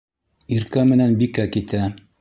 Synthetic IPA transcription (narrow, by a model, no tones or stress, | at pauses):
iɾkæmɘ̆nænbikækit̪æ